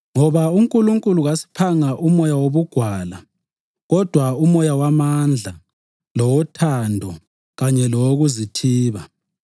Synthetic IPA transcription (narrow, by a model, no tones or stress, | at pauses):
ŋɔβauŋkʼuluŋkʼuluɣasi̥pʰaŋaʔumɔjawoβuɡ̥ʱwaːla | ɣɔd̥ʱwaumɔjawamand͡ɮʱa | lɔwɔtʰandʱɔ | ɣaɲɛlɔwoɣuzitʰiːβa